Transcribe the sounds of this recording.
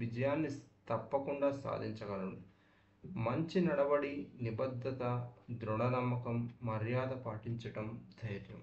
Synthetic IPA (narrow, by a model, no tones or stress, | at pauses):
ʋid͡ʒɐjaːnːit̪ɐpːɐkuɳɖaːsa̰ːd̪ʱiɲt͡ʃɐɡɐlɐɽu | mɐɲt͡ʃinɐɽɐbɐɽinibɐd̪ʱːɐt̪ɐd̪ɾuɳɐnɐmːɐkɐmːɐɾjaːd̪ɐpaːʈiɲt͡ʃɐʈɐmd̪ʱɐjɾjɐm